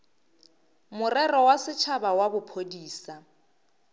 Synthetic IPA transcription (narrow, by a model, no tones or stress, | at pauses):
mʊrɛrɔwasɪt͡ʃʰabawabʊpʰodiːsa